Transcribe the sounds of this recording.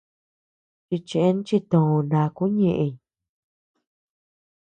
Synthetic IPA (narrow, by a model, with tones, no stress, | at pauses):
t͡ʃi˧t͡ʃẽ˧ʔe˦n˦t͡ʃi˧t̪õ˨õ˧nã˧ku˦ɲẽ˧ʔẽ˧ɲ˨